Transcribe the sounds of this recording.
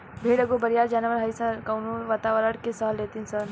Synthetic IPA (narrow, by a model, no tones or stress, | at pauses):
bʱeːɽəɡobəɾijaɾd͡ʒanʋəɾɦəjsəkɐwnuʋat̪aʋəɾəɽkesəɦəlet̪insən